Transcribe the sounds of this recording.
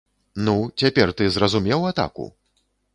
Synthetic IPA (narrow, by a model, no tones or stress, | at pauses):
nut͡sʲapʲɛrt̪ɨzrɐzumʲɛwat̪a̰kṵ